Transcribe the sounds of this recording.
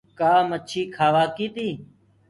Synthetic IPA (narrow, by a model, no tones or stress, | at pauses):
kaːmətt͡ʃʰiːkʰaːʋaːkiːt̪iː